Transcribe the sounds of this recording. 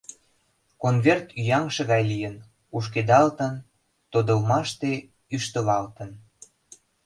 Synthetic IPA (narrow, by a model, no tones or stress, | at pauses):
konβert̪yjɑŋʃĕɣɑjlijən | uʃ̬ked̪ɑlt̪ən | t̪od̪ə̆lmɑʃt̪e | yʃt̪ə̆βɑlt̪ə̆n